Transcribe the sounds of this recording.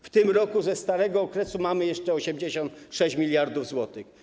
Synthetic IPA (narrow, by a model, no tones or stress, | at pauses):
ft̪ɘmɾɔkuzɛst̪aɾɛɡɔːkɾɛsumamɘjɛʂt͡ʂɛɔɕɛmd͡ʑeɕɔnt̪ʂɛɕt͡ɕmʲilʲjaɾd̪uvzwɔt̪ɘx